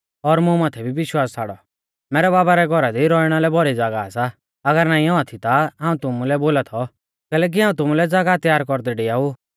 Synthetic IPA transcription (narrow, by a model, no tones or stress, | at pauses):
ɔɾmũmaːt̪ʰɛbʱibɪʃwaːst͡sʰaːɽɔ | mɛːɾɛbaːbaɾɛɡʱɔɾad̪iɾɔɪɽ̃alɛbʱɔɾid͡zaːɡaasa | ɐɡəɾnaːĩɔat̪ʰit̪aɦãːũt̪ʊmulɛboːlat̪ʰɔ | kɛːlɛːk̬iɦãːũt̪ʊmulɛd͡zaːɡat̪jaːɾkɔɾd̪ɛɖɪjau